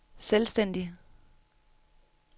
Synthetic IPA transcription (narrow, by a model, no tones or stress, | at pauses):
selsd̥en̰d̥i